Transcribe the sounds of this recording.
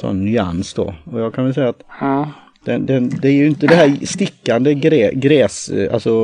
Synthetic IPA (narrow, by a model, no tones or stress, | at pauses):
sɔ̰nːʏa̰nsd̪ɔ̰ɔjɑːɡkʰanvɛlsɛjːat̪ | d̪̥ɛnd̪ɛnd̪ɛæɾjɪnt̪əd̪ɛɦæːɾst̪ɪkːand̪əɡɾɛːɡɾɛːsa̰lsɔ